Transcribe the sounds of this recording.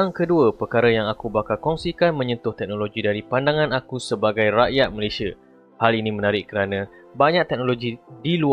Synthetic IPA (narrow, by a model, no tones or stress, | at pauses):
aŋkəduəpərkaɾəjaŋakubakalkɔŋsikanmə̃ɲə̃nt̪ʊht̪ɛk̚noloɡidaɾipandaŋãnakusəbaɡajraʔjat̪̚malesiə | halinĩmə̃naɾɪʔkəɾanə̃ | baɲãk̚t̪ɛk̚noloɡidilu